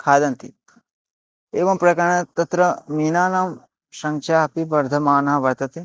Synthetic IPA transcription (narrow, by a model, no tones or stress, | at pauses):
kʰaːd̪ɐnt̪i | eːʋɐmpɾɐkɐɳ̃ɐt̪ɐt̪ɾɐmiːnaːnaːm | ʃɐŋʃʰaːɐpibɐɾd̪ʱɐmaːnɐɦɐʋɐɾt̪ɐt̪i